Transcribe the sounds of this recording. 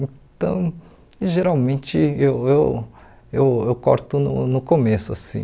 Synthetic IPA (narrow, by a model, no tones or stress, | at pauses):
ẽt̪ɐ̰̃w̃ | ʒeɾawmẽt͡ʃɪewew | ewewkɔ̰ɾt̪ʊnʊ̰nʊkomesʊa̰sḭ̃